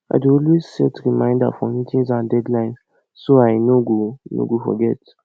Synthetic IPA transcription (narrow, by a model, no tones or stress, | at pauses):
ʔa̰ɪduɔlwezsɛtɾimãɪ̃nda̰fɔ̃ĩtʰĩnzãndɛdlãɪ̃ns | soaɪnoɡono̰ɡofɔ̰ɡɛt